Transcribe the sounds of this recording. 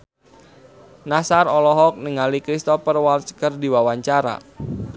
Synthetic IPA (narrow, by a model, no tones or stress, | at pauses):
nasarɔlɔɦɔk̚niŋalikɾist̪ɔfərwalt͡ʃkərdiwawaɲt͡ʃaɾa̰